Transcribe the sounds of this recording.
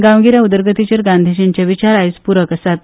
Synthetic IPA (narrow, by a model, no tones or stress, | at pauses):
ɡãwɡiɾjaud̪əɾɡət̪it͡ɕəɾɡand̪ʱiɕint͡ɕaʋit͡ɕaɾait͡spuɾəkəsat̪̚